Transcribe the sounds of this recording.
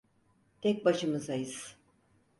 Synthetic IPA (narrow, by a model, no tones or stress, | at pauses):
t̪ʰɛc̚ʲbaʃɯmɯzajɯz̥